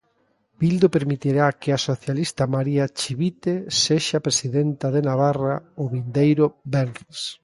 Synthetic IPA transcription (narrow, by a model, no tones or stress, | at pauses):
b̥ild̪opeɾmit̪iɾakeasoθjalist̪amaɾiat͡ʃiβit̪eseʃapɾesiðent̪aðenaβaraʊβind̪ejɾʊbɛnres